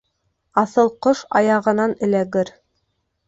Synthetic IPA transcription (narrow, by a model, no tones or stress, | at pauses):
ɑθɤlˠqoʃɑ̰jɑʁɤ̆nɑnɘ̆læɡɘɾ